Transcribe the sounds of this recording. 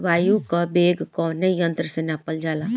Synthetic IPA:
ʋaːjukabeːɡkɔnejənt̪ɾəsẽnaːpəld͡ʒaːlaː

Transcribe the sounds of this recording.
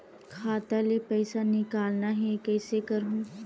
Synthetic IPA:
kʰaːt̪alepɛːsanɪkaːlnaɦɛkɛːsekɐɾɦũ

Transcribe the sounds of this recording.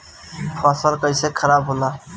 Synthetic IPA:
pʰasəlkəɪsekʰəɾabɦola

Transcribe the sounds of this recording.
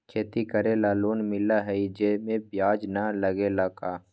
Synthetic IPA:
kʰeːt̪ikəɾelaːloːnmɪlaɦɛid͡ʒemẽbjaːd͡ʒnaləɡelakaː

